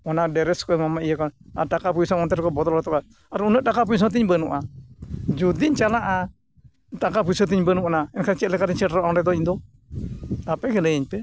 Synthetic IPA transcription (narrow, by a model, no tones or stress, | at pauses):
ɔnadɛɾɛskɔɛmamaʔijakɔna̰ʈakapuisɔŋɔnt̪ɛɾkɔbɔt̪ɔlɔt̪ɔka | aɾunɛʔ̚ʈakap̬ujs̬ɔŋt̪̬iɲbənuʔa | d͡ʒud̪iɲt͡ʃalaʔa | ʈakapujsɔt̪iɲbənuʔɔnaɛnkʰat͡ʃɛlɛkaɾiɲsɛʈɾɔʔɔŋɾɛd̪ɔind̪ɔ | t̪apɛkɛlɛiɲpɛ